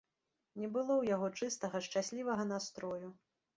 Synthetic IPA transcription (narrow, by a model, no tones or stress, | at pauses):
nʲɛbɨlˠɔwjaɣɔt͡ʂɨst̪ɐɣɐʂt͡ʂasʲlʲivɐɣɐnast̪ɾɔju